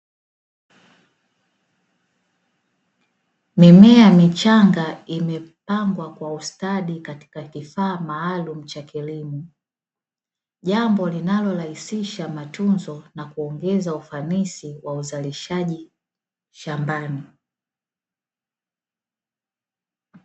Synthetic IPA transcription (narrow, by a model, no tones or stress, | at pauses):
mimɛamit͡ʃaŋɡaimɛpaŋɡwakwaustaɗikati̥kakifaːmaːlum̩t͡ʃakilimu | ʄambɔlinalɔlahisiʃamatunzɔnakuɔŋɡɛzaufanisiwauzaliʃaʄi | ʃambani